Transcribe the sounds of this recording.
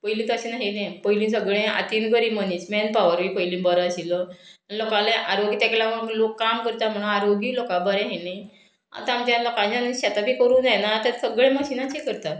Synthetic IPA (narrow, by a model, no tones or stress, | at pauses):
pəilĩːt̪əɕinaɦinẽpəɦilĩs̬əɡɭẽa̰t̪inkəɾiːmənit͡smɛnpaʋəɾʋipəɦilĩːbəɾəɕiləanilokãlẽʔaɾoɡit̪aklaməũlokːamkəɾt̪am̤əɽ̃ũaɾoɡiːlokãbəɾɛ̃ɦenaj | a̰t̪aamt͡ɕjalokãt͡ɕanɕat̪abʱiːkəɾũːnajenat̪asəɡɭẽməɕinat͡ɕekəɾt̪a